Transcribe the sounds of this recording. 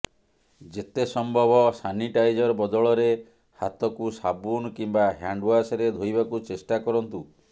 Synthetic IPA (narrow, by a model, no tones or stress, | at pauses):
d͡ʒet̪esɔmbʱɔbɔsaniʈajd͡ʒɔɾbɔd̪ɔɭɔɾe | hat̪ɔkusabunkimbaɦjaɳɖwasɔɾed̪ʱojbakut͡ʃesʈakɔɾɔnt̪u